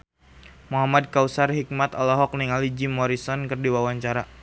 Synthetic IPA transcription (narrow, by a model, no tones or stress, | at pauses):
muɦamad̚kausarɦik̚mat̪alɔɦɔk̚niŋalid͡ʒimɔɾisɔnkɨrdiwawaɲt͡ʃaɾa